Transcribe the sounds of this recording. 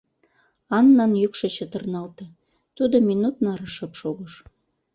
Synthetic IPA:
ɑnːɑnjykʃə̆t͡ɕə̆t̪ə̆rnɑlt̪ə̆ | t̪ud̪ominut̪nɑɾəʃɤ̆pʃoɣəʃ

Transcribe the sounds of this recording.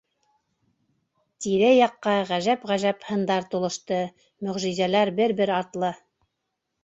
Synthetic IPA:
t̪iɾɘjɑqːɑʁæʒæpʁæʒæphɤ̆nd̪ɑɾt̪ulˠɤ̆ʃt̪ɤ | mɵ̆ʁʒizælæɾbɘɾbɘɾɑɾt̪lˠɤ

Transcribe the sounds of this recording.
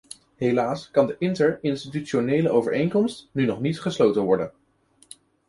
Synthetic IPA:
ɦelaːskɑndəʔɪntəɹɪnstityt͡ʃonejləʔowvə̰ɹejŋkɔmstnynɔχnitχəslowtənʋɔɹdən

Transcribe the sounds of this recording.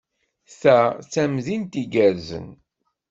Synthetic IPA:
θæt͡sːæmðint̪iɡæɾzə̰n

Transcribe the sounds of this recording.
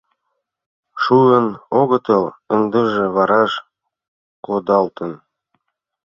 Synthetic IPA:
ʃuənoɣə̆t̪ə̆ləŋd̪əʒĕβɑɾɑʃ | kod̪ɑlt̪ə̆n

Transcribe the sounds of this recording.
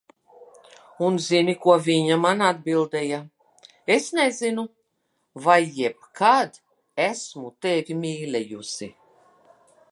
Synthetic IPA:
unzinikuɔvʲiɲamanad̪̚bilˠd̪eja | esnɛzinu | vajːɛp̚kʰad̪ | æsmut̪evʲimʲiːlʲɛjusḭ

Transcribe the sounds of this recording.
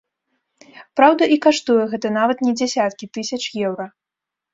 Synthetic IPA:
pɾawd̪ɐʔikaʂt̪ujɛɣɛt̪ɐnavɐt̪nʲɛd͡zʲɛsʲat̪̚kʲit̪ɨsʲɐt͡ʂjɛwɾɐ

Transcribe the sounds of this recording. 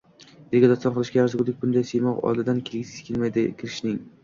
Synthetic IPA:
d̪eɡʲad̪ɒɒnqɨlˠɪʃkʲajaɾzɡuɾlˠɪk̚ʲbʊnd̪ajsejmɒqɒ̰jlɪd̪ankʲʰelɡʲɪziz̥kʲʰelʲmajd̪ɪkʲʰɪɾɪʃnɪŋ

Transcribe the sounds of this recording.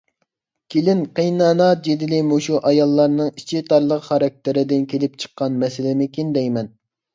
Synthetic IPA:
kʲʰelɪnqʰejnɑːnɑt̪̚d͡ʒed̪ɪlɪmoʃuʔɑjɑlˠːɑɾnɨŋit͡ʃʰit̪ʰɑɾlˠəqχɑɾɑk̚ʲt̪ɪɾɪd̪ɪnkʲelɪp̚t͡ʃʰə̥qːɑnmɛsɪlɪnɪkʲind̪ɛjmɛn

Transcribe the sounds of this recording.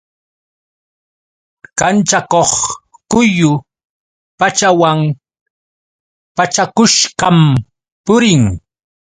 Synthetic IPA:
kant͡ʃakoχkʊjʊ | pat͡ʃawaŋ | pat͡ʃakʊʃɢɑm | pʊɾɪŋ

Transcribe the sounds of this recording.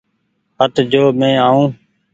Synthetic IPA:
hət̪d͡ʒoːmẽːaːũː

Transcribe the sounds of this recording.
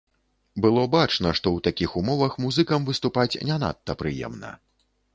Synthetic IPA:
bɨlˠɔbat͡ʂnɐʂt̪ɔwt̪akʲixumɔvɐxmuzɨkɐmvɨst̪upat͡sʲnʲɛn̪a̰t̪ːɐpɾɨjɛ̰mnɐ̰

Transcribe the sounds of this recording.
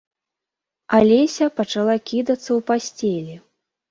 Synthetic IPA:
alʲesʲɐpɐt͡ʂalˠakʲid̪ɐt̪sːɐwpasʲt͡sʲelʲi

